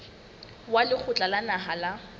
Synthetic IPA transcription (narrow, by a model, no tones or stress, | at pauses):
walɪk͡xʰʊt͡ɬʼalanaɦala